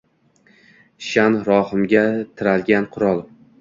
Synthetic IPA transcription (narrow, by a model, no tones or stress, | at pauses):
ʃanɾɒhɪmɡʲat̪ʰɪɾalɡʲanqʰʊɾɒlˠ